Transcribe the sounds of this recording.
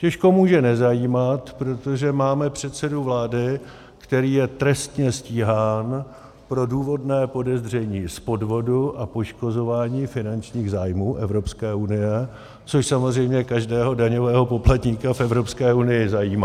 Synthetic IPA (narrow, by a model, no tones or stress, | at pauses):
cɛʃko̞muːʒɛnɛzajiːmat̪pɾo̞t̪o̞ʒɛmaːmɛpr̝̥ɛt̪sɛduvlaːdɪ | kt̪ɛɾiːjɛt̪ɾɛst̪ɲɛsciːɦaːn | pɾo̞duːvo̞dnɛːpo̞dɛzr̝ɛɲiːspo̞dvo̞duʔapo̞ʃko̞zo̞vaːɲiːfɪnant͡ʃɲiːɣzaːjmuːʔɛvɾo̞pskɛːʔunɪjɛ | t͡soʃsamozr̝ɛjmɲɛkaʒdɛːɦo̞daɲo̞vɛːɦo̞po̞plat̪ɲiːkafɛvɾo̞pskɛːʔunɪjɪzajiːma